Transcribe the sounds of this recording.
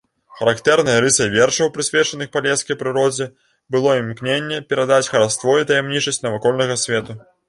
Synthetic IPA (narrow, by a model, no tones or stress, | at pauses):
xɐɾakt̪ɛɾn̪ɐjɐɾɨsɐjvʲɛrʂɐwpɾɨsʲvʲɛt͡ʂɐnɨxpalʲɛskɐjpɾɨɾɔd͡zʲɛ | bɨlˠɔimknʲenʲːɛpʲɛɾad̪at͡sʲxɐɾast̪vɔit̪ɐjamnʲit͡ʂɐsʲt͡sʲnɐvakɔlʲnɐɣɐsʲvʲɛt̪u